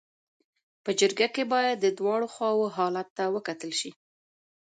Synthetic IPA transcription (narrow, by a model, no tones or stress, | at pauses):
pəd͡ʒəɾɡakebɑjad̪ːəd̪wɑɽoxwɑwoɦɑlat̪ːawəkat̪əlʃi